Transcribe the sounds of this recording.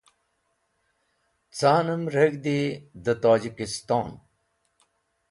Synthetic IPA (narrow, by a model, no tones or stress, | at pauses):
t͡saːnəmɾəɡd̪id̪ət̪aːd͡ʑikist̪aːn